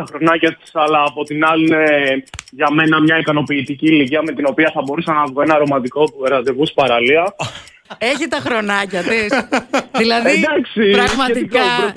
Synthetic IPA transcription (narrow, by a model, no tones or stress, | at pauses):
t̪ɐxɾo̞nɐcɐt̪i̥sɐlɐːpo̞t̪inɐlineʝɐme̞nɐmɲɐikɐno̞piːt̪iciːliciɐme̞t̪ino̞piɐθɐbo̞ɾusɐnɐvɣoenɐɾo̞mɐt̪iko̞pueɾɐt̪evuspɐɾɐliɐ | eçit̪ɐxɾo̞nɐcɐt̪isðilɐðd̪ɐksipɾɐɣmɐet̪iikoɾo